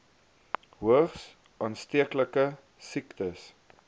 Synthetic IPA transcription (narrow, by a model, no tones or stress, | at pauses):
ɦuəχs | ʔɑːnstiəkləkə | siktəs